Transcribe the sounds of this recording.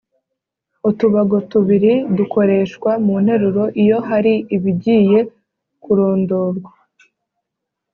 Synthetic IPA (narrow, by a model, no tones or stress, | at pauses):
utuβaɡo̞tuβiɾidukʰo̞ɾe̞ːʃkwamun̥he̞ɾuɾo̞ʔijo̞ɦaɾiːβiɟiːje̞ | kuɾo̞ːndo̞ːɾwa